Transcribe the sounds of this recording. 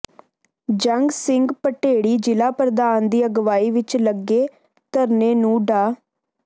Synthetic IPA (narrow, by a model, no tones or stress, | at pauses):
d͡ʒəŋɡsɪŋɡpəʈeːɽiːd͡ʒɪlaːpɾəd̪aːnd̪iːəɡʋaːiːʋɪt͡ʃləɡːeː | t̪əɾneːnũːɖaː